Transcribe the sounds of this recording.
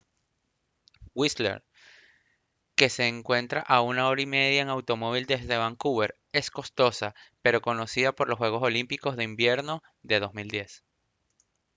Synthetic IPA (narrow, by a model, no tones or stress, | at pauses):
wislḛɾ | ke̞se̞ːŋkwe̞nt̪ɾaʔaunao̞ɾaime̞ðjae̞ŋawt̪o̞mo̞β̞ild̪e̞zðe̞βaŋkuβe̞ɾ | e̞sko̞st̪o̞sape̞ɾo̞ko̞no̞siðapo̞ɾloswe̞ɣo̞so̞limpiko̞zðe̞imbje̞ɾno̞ | ðe̞ðo̞zmild̪je̞s